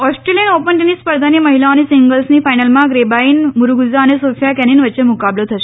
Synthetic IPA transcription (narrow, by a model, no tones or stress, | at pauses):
ɔsʈɾelijənopəɳʈinispəɾd̪ʱaniməɦilanisiŋɡəlsniːfajnəlmãɡɾebaiːnmuɾuɡud͡ʑaənesofjakɛninʋətːɕemukablot̪ʰəʃe